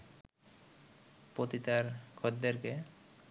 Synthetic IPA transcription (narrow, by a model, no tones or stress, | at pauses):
pot̪it̪aɾkʰod̪eɾke